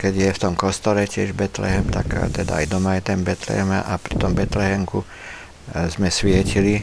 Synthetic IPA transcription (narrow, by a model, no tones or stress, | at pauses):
kɛɟjɛft̪ɔmkɔst̪ɔɾɛcɪɛʒbɛt̪lɛ̰ɦɛmt̪a̰kt̪ɛd̪a̰ajd̪ɔmajɛt̪ɛnbɛt̪lɛ̰ɦɛma̰ʔapɾit̪ɔmbɛt̪lɛɦɛŋku | zmɛsʋɪɛcili